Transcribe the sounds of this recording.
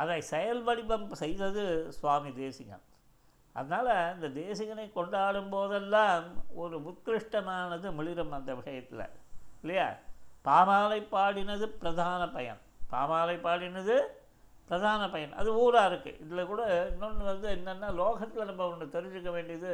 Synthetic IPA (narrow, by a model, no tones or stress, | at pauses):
ʔɐðɐɪsɛjɐlʋɐɽɪpːɐmsɛjðɐðɯsʋaːmid̪eːsɪŋɐ̰m | ʔɐ̰ðɐnaːlɐɪnd̪ɐd̪eːsɪŋɡɐnɐɪkɔɳɖaːɽɯmpoːðɛlːaːmɔɾɯmʊt̪kɾɪʂʈɐmaːnɐðɯmɪɻɪɾɐmɐnd̪ɐʋɪʂɐjɐt̪ːɪlɐ̰ɪlːɐja̰ːpaːmaːlɐɪpːaːɽɪnɐðɯpɪɾɐðʱaːnɐpɐjɐ̰n | paːmaːlɐɪpːaːɽɪnɐðɯ | pɪɾɐðʱaːnɐpɐjɐnʔɐ̰ðɯuːɾaːɪɾɯkːɯ̰ʔɪðɪlɐkuːɽɐɪnːʊnːʋɐnd̪ɯɛnːɐnːaːloːɣɐt̪ːɪlɐnɐmːɐkɔɳɖɯt̪ɛɾɯɲd͡ʒɯkːɐʋeːɳɖɪjɐðɯ